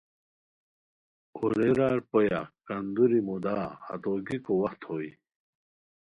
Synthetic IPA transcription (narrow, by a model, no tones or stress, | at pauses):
oɾeɾaːɾpoja̰kɐnd̪uɾimud̪aːhɐ̰t̪oːɡikowɐxt̪hoːi